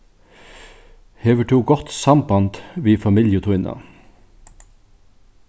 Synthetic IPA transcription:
heːʋəʈʰuːɡɔt̪sɑmbɑnt̪ʋiːfɑmiljət̪ʰʊʏnʔɑ̰

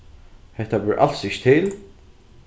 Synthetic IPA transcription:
hɛht̪abʏɾʔa̰l̥sɪʃt̪ʰɪl

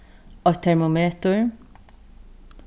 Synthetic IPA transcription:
ɑt̪ʰɛɹmʊmeːt̪ʊɹ

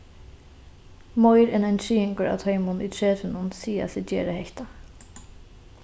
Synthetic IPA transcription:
mɔjɾɛnanʰɹiːɪŋkʊɾa̰t̪ʰœɪmʊnḭt̪ʰɹɛːt̪ɪnʊnsiːa̰sɪd͡ʒɛ̰ːɾəhɛçt̪a

